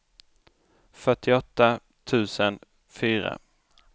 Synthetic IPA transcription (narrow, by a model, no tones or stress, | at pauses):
fœʈːɪɔt̪ːa | t̪ʰʉ̟ːsən | fyːɾa̰